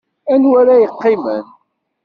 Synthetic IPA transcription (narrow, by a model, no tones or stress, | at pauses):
ænwæɾæjəqːɪmən